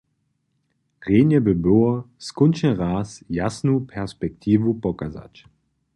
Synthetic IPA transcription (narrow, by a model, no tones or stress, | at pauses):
ʁeːnjəbəboɐ | skʊnt͡ʃəʁaːsjasnupʰɛʁspɛk̚t̪ʰiːvupɔkaza̰t͡ʃ